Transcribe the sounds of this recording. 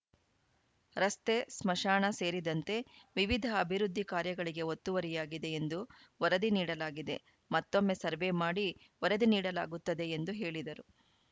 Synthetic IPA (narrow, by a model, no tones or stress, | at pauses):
ɾɐst̪e̞smɐʃaːɳɐse̞ːɾid̪ɐnt̪e̞ʋiʋid̪ʱɐːbʱiɾud̪ʱːikaːɾjɐɡɐɭiɡe̞ot̪ːuʋɐɾijaːɡid̪e̞end̪u | ʋɐɾɐd̪iniːɽɐlaːɡid̪e̞̰ | mɐt̪ːo̞mːe̞sɐɾʋemaːɽi | ʋɐɾɐd̪iniːɽɐla̰ːɡut̪ːɐd̪e̞ːnd̪uɦe̞ːɭid̪ɐɾu